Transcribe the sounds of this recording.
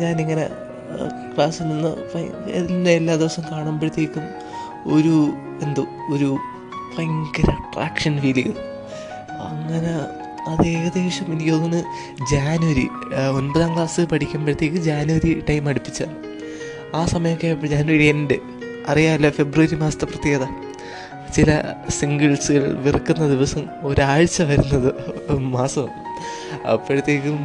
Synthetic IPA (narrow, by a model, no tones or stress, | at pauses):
ɲaːniŋːɐnḛ | kɭaːsininːɨ̰fɐ̰jḛðilinːeelːaːd̪iʋɐsɐmkaːɳaːmpeɽut̪ːeːkʲːum | o̞ɾu | end̪o | oɾu | fɐjŋkɐɾɐʈra̰ːkʂɐnʋiliɣɐl | ɐ̰ŋːɐne | ɐðeːɣɐd̪eːʂɐminiijoːunːɨ | d͡ʑaːnuʋɐɾḭ | o̞nbɐðaːŋɡlaːsɨpɐʈʰikʲːaːmpɐɽut̪ːe̞ːkːɨd͡ʑaːnuʋɐɾiʈɐjmɐɽupːi̥t͡ɕːɐ | aːsɐmɐjɐmkːed͡ʑaːnuwɐɾiennde | ɐrijaːmilːɐfe̞bruʋɐɾimaːsɐ̥t̪ːeprɐt̪ːjeːɣðɐ | t͡ɕilɐ̰siŋɡɐɭsɨɣɐɭʋirkːunːɐd̪iʋɐsɐm | o̞ɾaːɻt͡ɕːɐʋɐɾunːɐðɨmaːsɐmɐ | ɐ̰pːeɻt̪ːeːkːɨ